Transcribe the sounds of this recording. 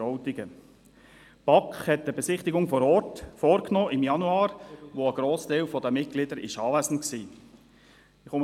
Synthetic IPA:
ɔʊtɪɡə | pɑkχhɛt̚ːəbɛsɪχt̪ɪɡʊŋfɔɾɔɾtfɔːɾknɔːʔɪmjɑnuɑːɾʋoəɡ̥ɾoːstaɪlfɔd̪əmɪt̚ɡ̥lɪdəɾɪ̰ʃɑːvæzn̩tksiː | ɪχʊm

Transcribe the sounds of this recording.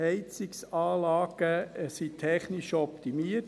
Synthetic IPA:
ɛɪt͡sɪksɑːlɑːɡ̥əsitʰɛχnɪʃɔpt̪imiə

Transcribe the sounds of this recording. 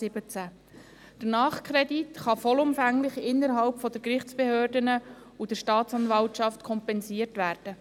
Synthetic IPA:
ɪbət͡sæ | d̥ənɑːχkʰɾɛditχɑfɔlʊmfæŋlɪχɪnːəɾɦɑlpfɔd̥̪əɾkɾɪχt͡sb̥ehøːrdənə | ud̥əɾʃtɑːtt͡sɑnvɑltʃɑft̪kʰɔmpɛnsiəɾtʋæːɾd̥ə

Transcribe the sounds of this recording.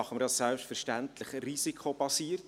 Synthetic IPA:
ɑχəməɾdɑsːɛlpʃtfɛɾʃtænt̪ləχrisikʰχobɑsiːərt

